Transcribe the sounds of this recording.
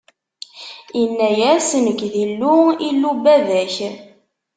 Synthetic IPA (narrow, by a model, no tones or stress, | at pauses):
ənːæjæsnəkːðilːuilːubæðæç